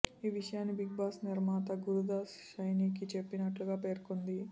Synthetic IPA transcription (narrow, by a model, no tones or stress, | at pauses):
iːʋiʂɐjaːnːibiɡ̚baːsniɾmaːt̪ɐɡuɾud̪aːsʃɐjnik̬it͡ʃe̞pːinɐʈluɡaːpe̞ːɾkond̪i